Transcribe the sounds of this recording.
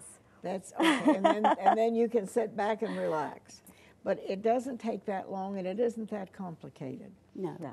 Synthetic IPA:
ðætsoʊɨ̃nɨ̃nɨ̃nðɨ̃njɨkɨ̃nsɪt̚b̥ækɨ̃nɹilæ̰ks | b̥ʌɾɪt̚d̥ʌzɨ̃ntʰeɪk̚ðɨʔlɔ̃ŋɨ̃nɨɾɪzn̩ðɨt̚kʰɑ̃mplɨkʰeɪɾɨ̰d̥̚no

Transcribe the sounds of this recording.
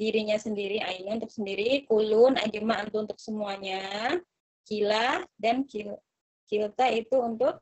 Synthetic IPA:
diɾiɲasəndiɾiainiunt̪ʊk̚səndiɾikulʊna̰ɡimant̪uunt̪ʊk̚səmuaɲa | kilahdankil | kilt̪ait̪uːnt̪ʊk̚

